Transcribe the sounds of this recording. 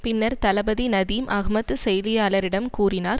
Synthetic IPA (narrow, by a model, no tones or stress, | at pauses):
pɪnːɐɾt̪ɐlɐbɐðinɐðiːmʔɐɣmɐt̪ːɯsɛjlɪjaːlɐɾɪɽɐmkuːrɪnaːɾ